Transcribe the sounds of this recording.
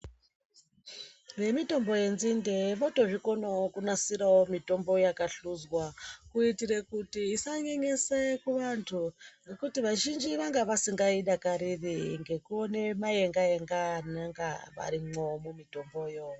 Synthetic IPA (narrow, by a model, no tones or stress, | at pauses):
ʋe̞mito̞mbo̞je̞nzinde̞ʋoto̞ʐiko̞nookunasiɾawomito̞mbo̞jakaɬuzwakuitirekutiːsaɲeɲesekuʋantʰunekutiʋaʒind͡ʒiʋaŋɡaʋasiŋɡaiɗakaɾiriŋɡe̞kuone̞mae̞ŋɡaeŋɡanaŋɡa̰ʋa̰ɾimomumito̞mbo̞jo